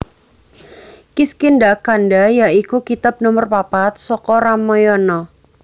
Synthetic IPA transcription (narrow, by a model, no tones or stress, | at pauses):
kiskɪndakandajaʔikukit̪ap̚nɔmərpapat̪̚sɔkɔɾamɔjɔnɔ